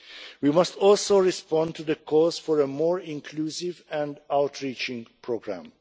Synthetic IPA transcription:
wimʌstɔlsoɹispɑ̃ntuðəkʰɔzfɔɹəmɔːɹɪ̃ŋkʰluːsɪvɛ̃ndaʊtʰɹiːt͡ʃɪ̃ŋpʰɹoɡɹæ̰̃m

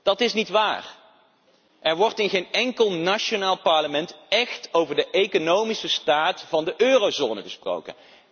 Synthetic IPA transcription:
d̥ɑtɪsnitʋa̰ːr | ʔɛɹʋɔɹtɪnχejnɛŋkəlˠnaʃonaːlˠpɑɹləmɛntɛxtowvəɹdəʔejkonowmisəstaːtfɑndəʔøːrowzoːnəχəspro̰wkə̰n

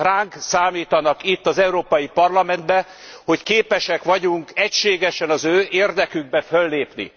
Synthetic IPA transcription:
raːŋksaːmiːt̪ɒnɒkit̪ːɒzɛuɾoːpɒjipɒrlɒmɛnd̪bɛ | ho̞ckeːpɛʃɛkʋɒɟuŋkɛcʃeːɡɛʃɛnɒzøːʔeːrd̪ɛkyɡ̚bɛfølːeːpnḭ

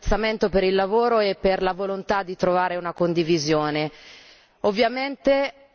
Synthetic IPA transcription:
t̪sːament̪opeɾilːavoːɾoepːerlavolont̪ad̪ːit̪ɾovaːɾeunakond̪ivizjoːne | ovːjament̪e

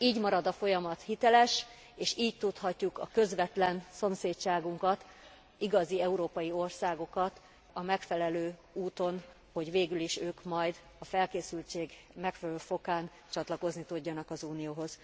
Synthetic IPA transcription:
iːɟmɒɾɒd̪ɒfo̞jɒmɒt̪hit̪ɛlɛʃ | eːʃiːct̪ut̪hɒcːukɒ̰kø̞zʋɛt̪lɛnso̞mseːtt͡ʃaːɡuŋkɒt̪ | iɡɒziɛuɾoːpɒjio̞rsaːɡo̞kɒt̪ | ɒmɛkfɛlɛløːuːt̪o̞n | ho̞ɟveːɡyliʃøːkmɒjd̪ | ɒfɛlkeːsylt͡ʃeːɡ | mɛkfɛlløːfo̞kaːn | t͡ʃɒt̪lɒko̞znit̪uɟːɒnɒkɒzuːnijoːɦo̞z̥

